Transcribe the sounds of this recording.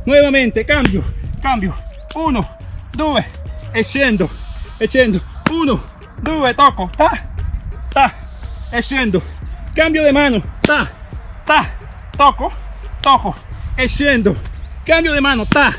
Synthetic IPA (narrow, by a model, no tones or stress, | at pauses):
nweβamẽnt̪ekambjokambjo | uno | d̪uβeesend̪oet͡ʃend̪ouno | d̪uβet̪okot̪a | t̪aesend̪okambjoðemãnot̪at̪a | t̪okot̪okoesjend̪okambjoðemãnot̪a